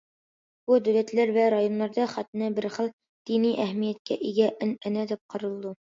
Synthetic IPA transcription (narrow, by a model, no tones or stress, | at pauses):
b̥ud̪æwlæt̪læɾvæɾajonːɑɾd̪ɑχæt̪ɘ̆nɘbɘɾχɤlˠ | d̪̥iniʔæhmijæt̪̚kæ̰ʔiɡæʔɘnɘ̆næd̪ip̚qʰɤ̆ɾɤ̆lˠd̪ɤ